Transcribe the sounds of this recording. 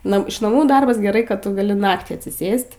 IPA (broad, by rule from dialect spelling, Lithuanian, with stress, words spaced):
ˈnɐ ɪʃ nɐˈmuː ˈdɐrbɐs ɡʲɛˈrɐɪ ˈkɐt ˈtʊ ɡɐˈlʲɪ ˈnɑːktʲiː ɐtʲsʲɪˈsʲeːsʲtʲ